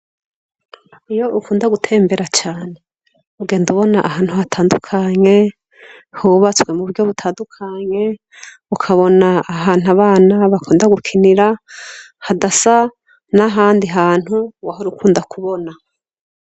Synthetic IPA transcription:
ijo̞ʔukuːndaɡutʰe̞ːmbe̞ɾat͡ʃaːne̞ | uɡe̞ːnduβo̞naʔaɦaːnhuhatʰaːndukʰaɲe̞ | huβat͡swe̞muβuɾjo̞βutʰaːndukʰaɲe̞ | ukʰaβo̞naːɦaːn̥aβaːnaβakʰuːndaɡukʰiniɾa | hadasa | naɦaːndiɦaːn̥huwaɦoɾukʰuːndakʰuβo̞na

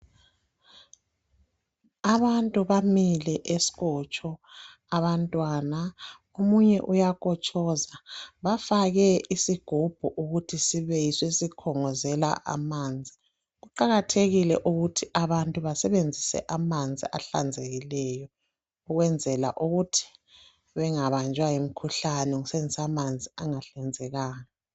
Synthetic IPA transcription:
aβantʼuβamilɛʔesi̥ɣɔt͡ʃʼɔ | aβantʼwana | omuɲɛʔujakʰɔt͡ʃʼɔzaβafaɣɛisiɡ̥ʱub̥ʱuʔuɣutʰisiβɛjiswesikʰɔŋɔzɛla̰ʔa̰mand͡zʱi | ɣuǃaɣatʰeɣilɛʔuɣutʰiʔaβantʼuβasɛβend͡zʱisɛ̰ʔamand͡zʱiʔa̰ɬa̰nd͡zʱeɣilɛjɔ | uɣwɛnd͡zʱɛla̰ʔuɣutʰi̥ | βɛŋaβand͡ʒʱwajim̩kʰuɬanɛŋusend͡zʱisamand͡zʱiaŋaɬɛnd͡zʱɛɣaːna

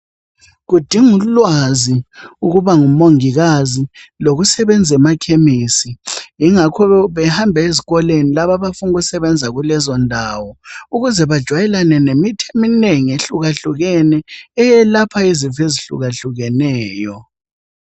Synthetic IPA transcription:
ɣud̥ʱiŋulwaziuɣuβaŋumoŋiɣaziloɣusɛβɛnd͡zʱɛmakʰemisijiŋakʰɔβɛhambʱɛeziɣɔlenilaβaβafunuɣusɛβɛnd͡zʱaɣulɛzɔndʱaːwɔuɣuzɛβad̥ʒ̥ʱwajɛlanɛnemitʰemineŋieɬuɣaɬuɣɛnɛːjɛlapʰaiziveziɬṵɣaɬuɣɛnɛːjɔ

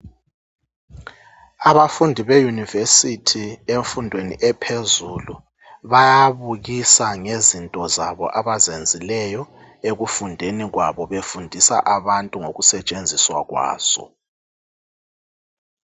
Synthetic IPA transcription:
aβafundʱiβejunivesitʰieɱfundʱwenḭʔɛpʰezuːlu | βajaβuɣisaŋezintʼɔzaβɔ̰ʔaβazend͡zʱilɛjɔ | eɣufundʱeniɣwaβɔβefundʱisa̰ʔaβantʼuŋoɣusɛt͡ʃʼend͡zʱiswa̰ɣwa̰ːz̥ɔ̰

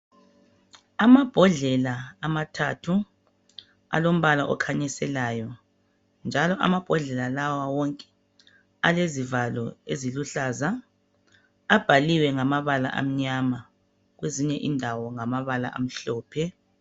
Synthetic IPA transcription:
amab̥ʱɔɮɛlaːmatʰatʰu | a̰lom̩βalaʔɔkʰaɲɛsɛlaːjɔ | nd͡ʒʱalɔʔa̰mab̥ʱɔɮɛlalawawɔŋkʼɛ̥ | alezivalɔ̰eziluɬaːza | ab̥ʱaliwɛŋamaβala̰ʔa̰m̩ɲama | ɣweziɲɛʔindʱawɔŋamaβala̰ʔa̰m̩ɬɔːpʰɛ

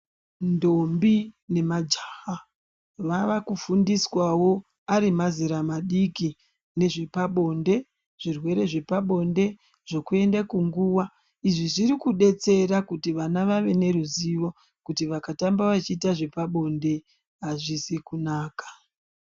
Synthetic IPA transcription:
ndo̞mbine̞mad͡ʒaha | ʋaʋakufundiswawo̞ | aɾimaziɾamaɗiki | ne̞ʐipaɓo̞nde̞ | ʐ̥irwe̞ɾe̞ʐe̞paɓo̞nde̞ | ʐ̥o̞kue̞ndakuŋɡuwa | iʐiʐiɾikuɗe̞t͡se̞rakutiʋanaʋaʋe̞ne̞ɾuziʋo̞ | kutiʋakatambaʋat͡ʃiːtaʐe̞paɓo̞nde̞ | ɦaʐisikunaːkḁ

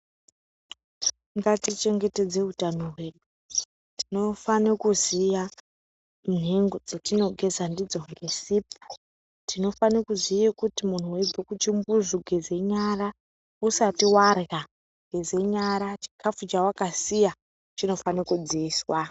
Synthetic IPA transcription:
ŋɡatit͡ʃe̞ŋɡe̞te̞d͡ze̞utanowe̞ɗu | tino̞fanekuzija | n̤eŋɡod͡zetino̞ɡʱe̞zandid͡zo̞ŋɡe̞sipu̥ | tʰino̞fanekuzijekutimun̤uweib͡vʱekut͡ʃimbuzuɡʱeze̞ɲaɾa | usatiwarɣa | ɡʱe̞ze̞ɲaɾat͡ʃi̥kʰafut͡ʃawakasija | t͡ʃino̞fanekud͡ziiːswa

